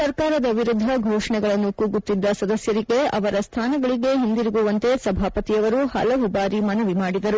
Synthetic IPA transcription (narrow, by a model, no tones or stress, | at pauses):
sɐɾkaːɾɐd̪ɐʋiɾud̪ʱːɐɡʱɔːʂɐɳɛɡɐɭɐnːukuːɡut̪ːid̪ːɐsɐd̪ɐsjɐɾiɡe̞ɐʋɐɾɐst̪ʰaːnɐɡɐɭiɡe̞ɦind̪iɾiɡuʋɐnt̪e̞sɐbʱaːpɐt̪ijɐʋɐɾuhɐ̰lɐʋubaːɾimɐnɐʋimaːɽid̪ɐɾu